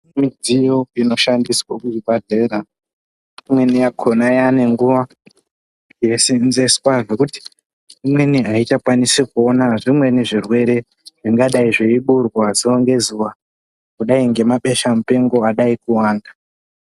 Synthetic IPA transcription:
mid͡zijoino̞ʃandiswakuibʱadʱeɾa | imwe̞nijakʰonajane̞ŋɡuʋa | jesinzeskwaʐekuti̥ | imwe̞niɦait͡ʃakwanisikuo̞naʐimwe̞niʐirwe̞ɾe̞ | ʐiŋɡaɗaiʐeiɓurwazioŋɡe̞zuwa | kuɗaiŋɡe̞maɓe̞ʃamupe̞ŋɡo̞aɗaikuwaːnda

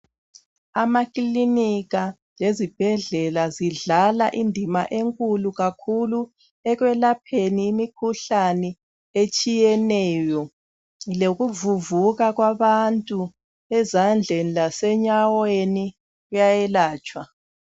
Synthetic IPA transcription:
amakʼiliniɣa | lezib̥ʱɛɮɛlaziɮala̰ʔindʱimaʔeŋkʼuluɣakʰulu | ɛɣwɛlapʰeniːmikʰuɬanɛ | et͡ʃʼijɛnɛːjɔ | loɣuvuvuɣaɣwaβantʼu | ɛzand͡ɮʱenilasɛɲaweni | ɣujajɛlaːt͡ʃʼwa

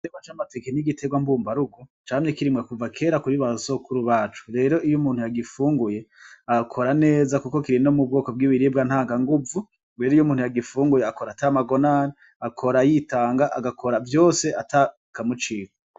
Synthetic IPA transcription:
eβat͡ʃamate̞keniɡitʰeɡwambuːmbaɾuɡot͡ʃaːmɲe̞kiɾimɡakuvakʰe̞ːɾakuɾiβaso̞kuɾuβaːt͡ʃu̥ɾe̞ːɾo̞ʔijomuːn̥ujaɡifuːŋɡuje̞aɡakʰoɾane̞ːzakuko̞kiɾino̞mub̚ɡo̞ːko̞bɡiːβiɾib̚ɡan̥haːŋɡaŋɡuvu | weɾijomuːnhujaɡifuːŋɡuje̞akoɾatamaɡo̞naːni | akʰo̞ɾajitaːŋɡaʔaɡakʰo̞ɾavjo̞ːse̞ʔata | kamut͡ʃiːkḁ

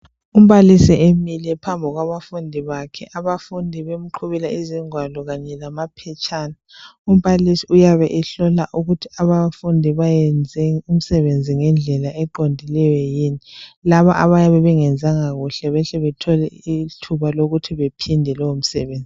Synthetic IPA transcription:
um̩βalisiʔemilɛpʰambʱɔɣwaβafundʱiβakʰɛ̰ʔaβafundʱiβem̩ǃʰuβilaiziŋwalɔɣaɲɛlamapʰɛt͡ʃʰʼaːnaum̩βalisiujaβɛʔɛɬɔlaʔuɣutʰiaβafundʱiβajɛnd͡zʱɛum̩sɛβend͡zʱiŋɛnd͡ɮʱɛlaɛǃondʱilɛwɛjiːnilaβaʔaβajaβɛβɛŋɛnd͡zʱaŋaɣuɬɛβɛɬɛβɛtʰɔlɛitʰuβaloɣutʰiβepʰindʱɛlɔom̩sɛβeːnd͡zʱi

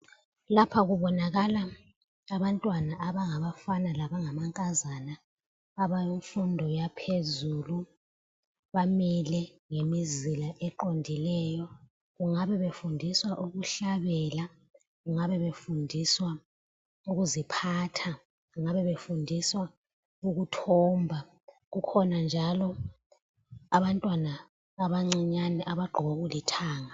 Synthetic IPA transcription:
lapʰaɣuβɔnaɣala | aβantʼwanaʔːβaŋaβafanalaβaŋamaŋkʼazanaː | βajuɱfundʱɔjapʰezulu | βamilɛŋemizilaʔɛǃondʱilɛjɔ | ɣuŋaβɛβefundʱiswaʔuɣuɬaβɛla | ɣuŋaβɛβefundʱiswa | uɣuzipʰaːtʰa | ɣuŋaβɛβefundʱiswa | uɣutʰɔːmbʱa | ɣukʰɔnand͡ʒʱalɔ | aβantʼwanaː | βaŋ͡ǀiɲanɛʔaβaɡ͡ǃʱɔɣoɣulitʰaːŋa

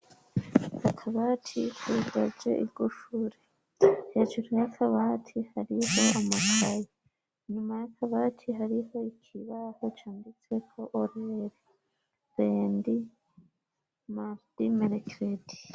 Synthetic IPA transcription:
akʰaβatʰikudad͡ʒḛʔiɾɡuʃuɾe | he̞ːʒuɾujakʰaβatʰihaɾiho̞amakʰaji | ɲumajakʰaβatʰiɦaɾiho̞ikʰiβaho̞t͡ʃaːndit͡se̞kʰo̞ʔoɾeɾe | βendi | maɾd̥imeɾekɾedi̥

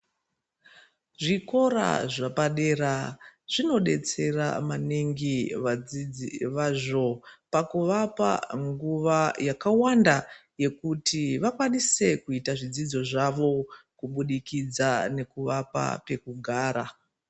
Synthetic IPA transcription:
ʐiko̞ɾa̰ʐapaɗe̞ɾaʐ̥ino̞ɗe̞t͡se̞ra̰maneŋɡiʋad͡zid͡ziʋaʐo̞pakuʋapa̰ŋɡuʋajakawandaje̞kutiʋakwanise̞kuitaʐid͡zid͡zo̞ʐaʋo̞kuɓuɗikid͡zane̞kuʋapa̰pe̞kuɡʱaːɾa

